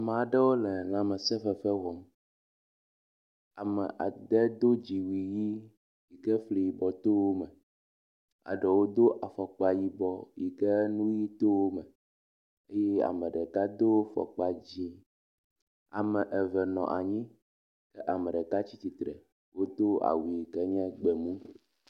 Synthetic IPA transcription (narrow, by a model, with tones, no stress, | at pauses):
a˨me˨a˨ɖɛ˦wo˦lɛ˨lã˨mɛ˨sɛ˦fɛ˦fɛ˦wɔ˨m | a˨mɛ̰˨ʔa̰˨d̪ɛ˦d̪o˦d͡ʑi˨wi˨ji˦ | ji˨ɡɛ˦fli˨ji˨bɔ˨t̪o˦wo˦mɛ˨ | a̰˨ɖɛ˨wo˦d̪o˦ʔa˨fɔ˨k͡pa˨ji˨bɔ˨ji˨kɛ˦nũ˦ji˦t̪o˦wo˦mɛ˨ | e˦jɛ˦a̰˨mɛ˨ɖɛ˨ka˦d̪o˦fɔ̰˨k͡pa˨d͡ʑi˦ | a̰˨mɛ˨ʔɛ˨vɛ˨nɔ̰̃˨ʔa˨ɲĩ˦ | kɛ˦ʔa˨mɛ˨ɖɛ˨ka˦t͡ɕi˦t̪i˨t̪ɾɛ̰˨ | wo˦d̪o˦a̰˨wi˨i˨kɛ˦ɲɛ̃˦ɡ͡bɛ˨mũ˦